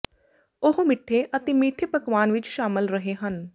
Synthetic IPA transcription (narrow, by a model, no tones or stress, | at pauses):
ʊɦmɪʈʰːeːʔət̪eːmiːʈʰeːpəkʋaːnʋɪt͡ʃʃaːmɪlɾəɦeːɦən